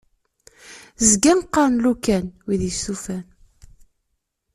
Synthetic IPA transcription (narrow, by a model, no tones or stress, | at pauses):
zɡænqːɑɾnlukænwiðisufæn